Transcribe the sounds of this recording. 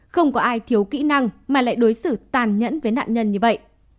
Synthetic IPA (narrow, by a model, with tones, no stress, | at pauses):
xə˧wŋ͡mkɔ˨˦ʔaː˧jt̪ʰi˨˦əwkḭ˧˥na˧ŋmaː˨˩la̰ː˧˨jɗo˨˦jsɨ˧˩t̪aː˨˩nɲə̰˧˥nvəː˨˦jna̰ː˧˨nɲə˧nɲɨ˧və̰˧˨jʔ